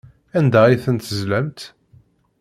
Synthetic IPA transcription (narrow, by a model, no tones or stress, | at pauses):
ænd̪æiθənt̪əzlæmt̪